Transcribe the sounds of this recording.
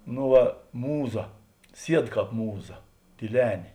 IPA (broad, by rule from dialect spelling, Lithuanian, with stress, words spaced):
noː ˈʋɐ ˈmuːˌzɐ ˈsʲiɛt ˈkɑːp ˈmuːˌzɐ tʲiːˈlʲæːnʲeː